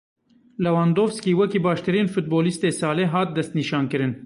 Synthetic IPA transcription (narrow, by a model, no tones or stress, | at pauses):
lɛwɑːnd̪oːvskiːwɛkiːbɑːʃt̪ɨɾiːnfut̪̚boːlist̪eːsɑːleːɦɑːt̪̚d̪ɛst̪niʃɑːnkɨɾɨn